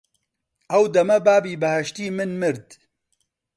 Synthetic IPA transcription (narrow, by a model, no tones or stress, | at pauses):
ɐwd̪ɐmɐbaːbiːbɨhɛʃt̪iːmɨnmɨɾd̪